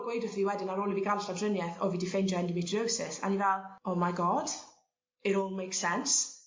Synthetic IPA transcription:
ɡ̥wejdəθviːwɛdɪnaɾoːlˠibiɡanɬavdrənjɛθɔviːdifend͡ʒɔɛndimɪtʰdowsɪsa̰nivɛlˠɔmajɡɔd̥ | ɪɾoːlˠmejksɛns

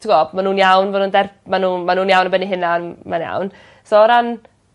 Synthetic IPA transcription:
tʰɪɡɔbmanuːnjawnvɔnuːndɛrmanuːmanuːnjawnəbɛniɦɪnanmanja̰wn | soɾan

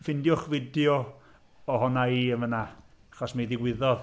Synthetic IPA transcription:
fɪndjʊχvɪdjɔ | ɔɦɔnaiəmvəna | aχɔsmaiðɪɡwɪðɔð

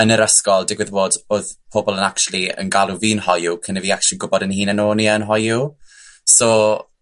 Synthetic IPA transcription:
ənəɾəskɔlˠdɪɡwɪðboːdoðpʰɔbɔlˠənakt͡ʃulˠiə̰nɡalˠuviːnhɔjukʰənɛviːak̚t͡ʃlˠinɡʊbɔdənhiːnənoːniənɦɔju | sɔ

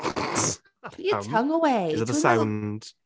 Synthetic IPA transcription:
jəhʌ̃ŋəweɪzðəssãʊ̃nnd̥

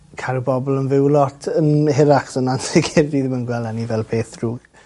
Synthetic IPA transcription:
kʰaɾubɔbɔlˠənvɪwlˠɔtʰənhɪɾaχsənansɪɡʰɪrdiðɪmənɡwɛlˠanivɛlˠpʰeːθruːɡ̥

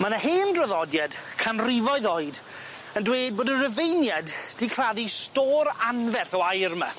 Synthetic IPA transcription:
manaɦeːndrəðɔdjad̥kʰanrɪvɔɨðoːɨd | əndweːd̚boːdənrəvejnjadd̥ikʰr̥aðistoːɾanvɛrθɔajrma̰

